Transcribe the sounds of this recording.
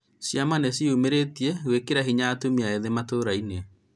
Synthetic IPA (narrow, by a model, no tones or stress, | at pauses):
sjamanesiumeɾetiɛwekeɾaɦiɲaːtumiaeðematoːɾaine